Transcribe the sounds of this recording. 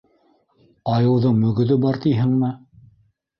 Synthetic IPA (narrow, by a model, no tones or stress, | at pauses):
ɑjɤ̆wðɤɴmɵ̆ɡɵ̆ðɵbɑɾt̪ijɦɘŋmɘ